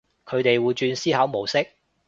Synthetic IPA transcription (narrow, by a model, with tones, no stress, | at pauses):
kʰɵ˨˧˥t̪e˨jwuː˨˧jt͡ʃyː˧nsiː˥hɐː˨˥wmo˨˩wsɪ˥k̚